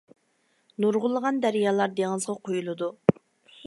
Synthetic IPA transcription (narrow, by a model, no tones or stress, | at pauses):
nuɾʁʊlˠəʁɑnd̪æɾijɑːlˠɑɾd̪eŋɨzʁɑqʰojulˠɨd̪u